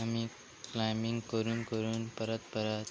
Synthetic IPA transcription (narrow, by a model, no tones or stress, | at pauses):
ami | klajmĩŋɡkəɾuːnkəɾuːnpəɾət̪pəɾat̪